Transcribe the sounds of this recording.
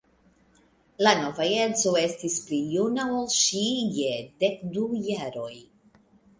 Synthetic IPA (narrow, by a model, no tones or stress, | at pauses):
lanovajet͡soe̞stisplijunaolʃijed̪ekdujaɾo̞j